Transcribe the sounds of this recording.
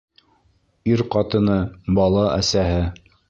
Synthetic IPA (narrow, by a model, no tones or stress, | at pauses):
iɾqɑt̪ɤ̆nɤbɑlˠɑʔæ̰sæɦɘ